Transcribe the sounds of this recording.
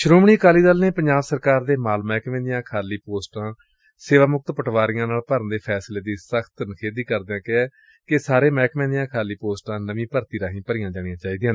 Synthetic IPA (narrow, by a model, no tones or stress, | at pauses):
ʃɾoːmɳiːkaːliːd̪əlnẽːpəɲd͡ʒaːʋsəɾkaːɾd̪eːmaːlmɛːkmɛ̃ːnd̪ɪjãːkʰaːliːpoːsʈãː | seːʋaːmʊk̚t̪pəʈʰʋaːɾɪjãːnaːlpəɾənd̪eːpʰɛːsleːd̪iːsəkʰt̪ənkʰeːd̪iːkəɾd̪eãːkɪɛː | kɪsaːɾeːmɛːkmɛ̃ːnd̪ɪjãːkʰaːliːpoːsʈãːnəʋĩːpəɾt̪iːɾãːɦĩːpəɾɪjãːd͡ʒaːɽɪjãːt͡ʃaːiːd̪iãː